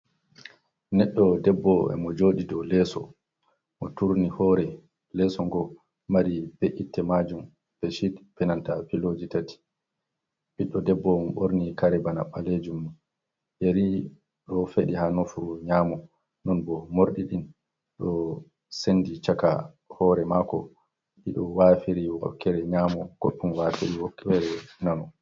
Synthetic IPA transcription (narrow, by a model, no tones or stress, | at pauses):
nɛɗːɔdɛbːɔɛ̰mɔd͡ʒoːɗidɔlɛːsɔ̰ | mɔtuɾnihɔɾɛ | lɛsɔŋɡɔ | maɾibeʔitːɛmad͡ʒum | pɛʃitpɛnantapilod͡ʒitati̥ | biɗːɔdɛbːɔmɔɓoɾnikaɾibanaɓaled͡ʒumːu | jeɾi | ɗɔfeɗihanofuɲamɔ | nɔnbɔmoɾɗiɗin | ɗɔ | senːdit͡ʃaka̰ | hɔːɾɛmakɔ̰ | ɗiɗɔwafiɾiwɔ̰kːɛɾɛɲaːmɔkopːunwafiɾiwɔkːɛɾɛnanɔ